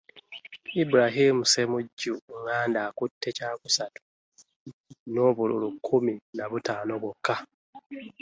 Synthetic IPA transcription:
ibuɾaɦimusemuɟːuŋaːndaːkutʰːe̞caːkusatu̥ | no̞ːβulṵlukʰːuminaβutaːnoβokʰːa

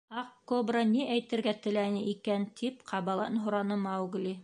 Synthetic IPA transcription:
ɑqkobrɑniʔæjt̪ɘ̆ɾɡæt̪ɘ̆lænɘʔikænt̪ʰipqʰɑβɑlˠɑ̰nɦŭɾɑnɤmɑwɡlʲi

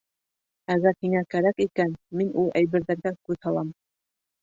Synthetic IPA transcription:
æɣæɾhiŋækæɾækikænminulˠʔæjβɘ̆ɾðæɾɡækʉðhɑlˠɑm

